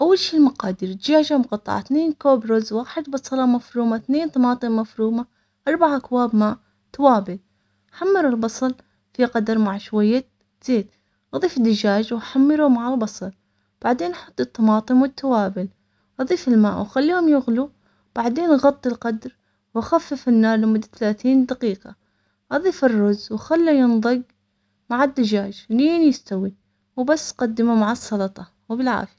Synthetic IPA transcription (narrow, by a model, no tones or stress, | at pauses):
ʔawːalʃiːmaqɑːd̪iɾd̪d͡ʒaːʒamʊqɑt̪ˤːɑ̰ʕa̰θneːnkoːbɾʊzwaːħɪd̪bɑsˤɑlɑmafɾuːmaθneːnt̪ˤɑmɑːt̪ˤɨmːafɾuːma | ʔɑɾˤbaʕakwaːbmaːʔ | t̪awaːbɪl | ħamːɪɾɪlbɑsˤɑl | fiqɑd̪ɑɾˤmaʕʃwajːa | z̥eːt̪ | ʔɑðˤiːfɪd̪ɪd͡ʒaːd͡ʒwħamːɪɾumaʕalbɑsˤɑl | b̥aʕd̪eːnʔɑħɑt̪ˤːɨt̪ːɑmɑːt̪ˤɨmwɪt̪ːawaːbɪl | ʔɑðˤiːfɪlma̰ːʔwxalːiːhʊmjʊɣlu | b̥aʕd̪eːnɣɑt̪ˤːɪlqɑd̪ɾ | waxafːɪfɪnːɑːɾˤlɪmʊd̪ːaθalaːθiːnd̪aqiːqɑ | ʔɑðˤiːfɪrːʊzwxalːujɪnðˤɨɡ | maʕɪd̪ːad͡ʒaːd͡ʒniːnjɪst̪awi | wbasːqɑd̪ːɪmumaʕɑsˤːɑlɑt̪ˤɑ | wbɪlʕa̰ːfja